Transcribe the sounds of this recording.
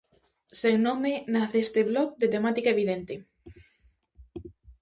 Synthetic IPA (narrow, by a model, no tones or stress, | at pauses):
seŋnomenaθest̪eβlɔkd̪et̪emat̪ikaeβiðent̪e